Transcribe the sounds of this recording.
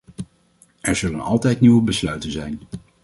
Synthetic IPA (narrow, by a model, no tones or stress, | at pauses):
ʔɛɹzɵlənɑ̰lˠtɛjtniʋəbəslœɥtənzɛjn